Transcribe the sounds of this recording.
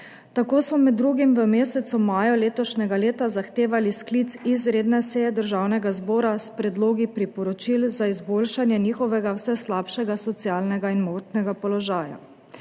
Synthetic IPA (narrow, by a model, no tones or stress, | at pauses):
t̪akoːsmɔmɛd̪d̪ːɾuːɡimʋəmeːsɛt̪sumaːjɔleːt̪ɔʃnɛɡaleːt̪azaxt̪eːʋalisklit̪sizɾeːd̪nɛsɛjɛd̪əɾʒaːwnɛɡazbɔːɾaspɾɛd̪loːɡipɾipɔɾɔt͡ʃilzaizboːlʃanjɛniːxɔʋɛɡawsɛslaːpʃɛɡasɔt̪sjalnɛɡainmoːt̪nɛɡapɔlɔʒaːja̰